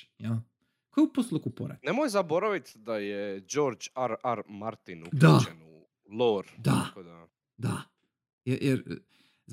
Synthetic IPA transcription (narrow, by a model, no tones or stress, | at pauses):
ja | kojeuposlˠukupoɾɛ̰nemojzabo̞ɾaʋit̪d̪ajed͡ʒoɾd͡ʒaɾaɾmaɾt̪inukd̪aenu | lˠoɾd̪akod̪a | d̪a | jɛjʔɛɾ | z